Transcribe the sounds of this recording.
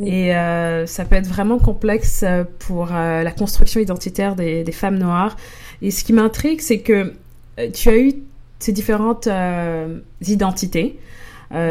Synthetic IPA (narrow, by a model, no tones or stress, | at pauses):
eøsapøɛt̪χvʁɛmɑ̃kɔ̃plɛksøpʰuʁølakɔ̃st̪χyksjɔ̃id̪ɑ̃t̪it̪ɛʁd̪ed̪efamnwaːʁ | esə̥kʲimɛ̃t̪χiɡsɛkə | t̪ʰyay | sed̪ifeʁɑ̃t̪ø | zid̪ɑ̃t̪it̪e | ø